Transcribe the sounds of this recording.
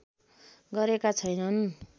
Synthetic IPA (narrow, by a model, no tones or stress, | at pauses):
ɡʌɾekat͡sʰʌjnʌn